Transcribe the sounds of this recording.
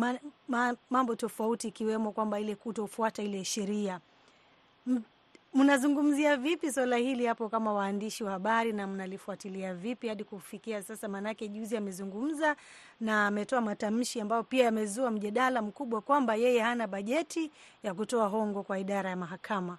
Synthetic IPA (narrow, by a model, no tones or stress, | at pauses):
maamambɔtɔfautiikiwɛmɔkwambailɛkutɔufuatailɛʃɛɾia | munazuŋɡum̩ziavipiswalahilihapɔkamawaːndiʃiwahaɓaɾinam̩nalifuatiliavipihaɗikufikiasasamanakɛʄuziamɛzuŋɡum̩za | naːmɛtɔamatam̩ʃiambajɔpiaamɛzuam̩ʄaɗalam̩kuɓwakwambajɛjɛhanaɓaʄɛtijakutɔaɦɔŋɡɔkwaiɗaɾajamaɦakʰama